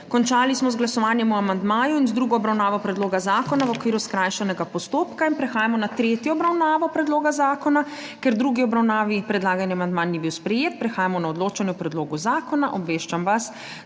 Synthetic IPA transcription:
kɔnt͡ʃaːlismɔzɡlasɔʋaːnjɛmuamand̪maːjuinzd̪ɾuːɡɔɔbɾawnaːʋɔpɾɛd̪loːɡazaːkɔnaʋɔkʋiːɾuskɾaːjʃɛnɛɡapɔst̪oːpkainpɾɛxaːjamɔnat̪ɾeːt̪jɔɔbɾawnaːʋɔpɾɛd̪loːɡazaːkɔna | kɛɾd̪ɾuːɡiɔbɾawnaːʋipɾɛd̪laːɡajniamand̪manibiwspɾɛjeːt̪̚pɾɛxaːjamɔnaɔd̪loːt͡ʃanjɔpɾɛd̪loːɡuzaːkɔnaʔɔbʋeːʃt͡ʃamʋas

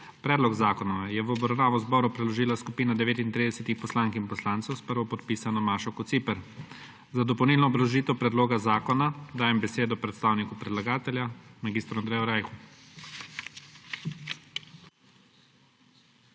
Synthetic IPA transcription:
pɾɛːd̪lɔɡzaːkɔnɔʋɛjɛʋɔbɾɐwnaːʋɔzbɔɾupɾɛlɔʒiːlaskupiːnad̪ɛʋeːt̪int̪ɾiːd̪ɛsɛt̪ixpɔslaŋkinpɔslaːnt̪sɔwspəɾʋɔpɔt̪piːsanɔmaːʃɔkɔt̪sipɛɾ | zad̪ɔpɔwnilnɔːbɾawʒiːt̪ɛwpɾɛd̪loːɡazaːkɔnad̪aːjɛmbɛseːd̪ɔpɾɛt̪st̪aːwnikupɾɛd̪laɡaːt̪ɛljamaɡiːst̪ɾuand̪ɾeːjɔɾajxu

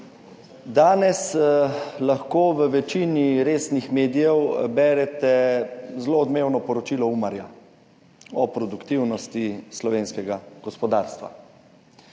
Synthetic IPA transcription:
d̪aːnɛs | laxkoːʋəʋɛt͡ʃiːniɾeːsnixmeːd̪ijɛwbɛːɾɛt̪ɛzloɔd̪meːwnɔpɔɾɔt͡ʃiːlɔumaɾja̰ | ɔpɾɔd̪ukt̪iwnɔst̪islɔʋeːnskɛɡaɡ̥ɔspɔd̪aːɾst̪ʋa̰

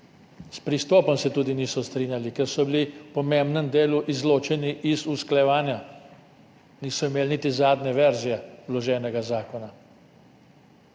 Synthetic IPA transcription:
spɾist̪ɔːpɔmsɛt̪uːd̪iniːsɔst̪ɾiːnʲjalikɛɾsɔbilipɔmembnəmd̪eːluʔizloːt͡ʃɛniʔizusklajɛʋaːnja | niːsɔimeːlnit̪izaːd̪nɛʋɛɾzijɛlɔʒɛːnɛɡazaːkɔna

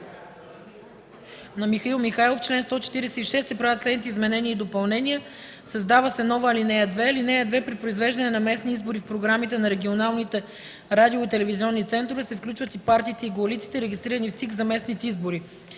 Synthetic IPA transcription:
nɐmixɐilˠmixajlˠoft͡ʃlɛnst̪ɔt͡ʃɛ̥t̪iɾɛsɛiʃɛsɛpɾavʲət̪slɛd̪nit̪ɛizmɛnɛniəid̪opɐlˠnɛnʲijə | sɐzd̪avəsɛnɔvəːlinɛjəd̪vɛɐlinɛjəd̪vɛpɾipɾoizvɛʒd̪ɐnɛnɐmɛsniizboɾifpɾoɡɾamit̪ɛnɐɾɛɡʲionalˠnit̪ɛ | ɾad̪ioit̪ɛlɛviziɔnːit̪sɛnt̪ɾovɛsɛfklʲut͡ʃvət̪ipaɾt̪iːt̪ɛiɡoɐlit̪si̥t̪ɛɾɛɡʲist̪ɾiɾənift̪sikzɐmɛsnit̪ɛizboɾi

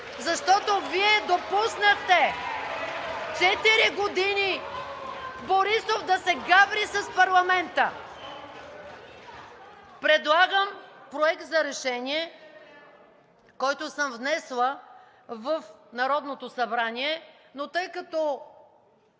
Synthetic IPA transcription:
zɐʃt̪ɔt̪oviɛd̪opusnəxt̪ɛ | t͡ʃɛt̪iɾiɡod̪ini | boɾisovd̪ɐsɛɡabɾisɐspɐɾlˠɐmɛnt̪ə | pɾɛd̪lˠaɡəmpɾoɛk̚t̪zɐɾɛʃɛnʲiɛ | kɔjt̪ʊsəmvnɛslˠə | vəfnɐɾɔd̪not̪osɐbɾanʲiɛ | not̪ɤjkɐt̪ɔ

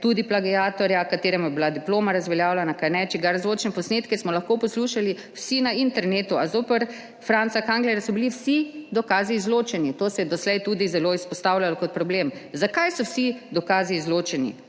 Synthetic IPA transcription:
t̪uːd̪iplaɡiaːt̪ɔɾjakat̪eːɾɛmujɛbilad̪iploːmaɾazʋɛljaːwlɛnakanɛt͡ʃɛɡaɾzloːt͡ʃnɛpɔsneːt̪kɛsmɔlaxkoːpɔsluːʃali | wsinaint̪ɛɾneːt̪uazoːpɛɾ | fɾansakaŋɡlɛɾasɔbiliwsid̪ɔkaːzizloːt͡ʃɛnit̪oːsɛjɛd̪ɔslɛjt̪uːd̪izɛloːispɔst̪awlʲalɔkɔt̪̚pɾɔblemzakajsɔwsid̪ɔkaːzizloːt͡ʃɛnḭ

